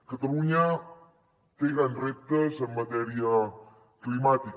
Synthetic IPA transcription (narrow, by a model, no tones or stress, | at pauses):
kət̪əɾuɲa | t̪eɡanrɛt̪əsəmat̪eɾia | klimat̪ik